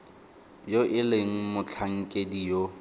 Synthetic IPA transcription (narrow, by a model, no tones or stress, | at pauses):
joʔɪleŋ̩mʊt͡ɬʰaŋ̩kʼedijo